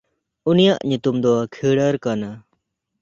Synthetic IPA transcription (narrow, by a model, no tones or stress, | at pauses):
unijaʔɲut̪umd̪ɔkʰiɽəɾkana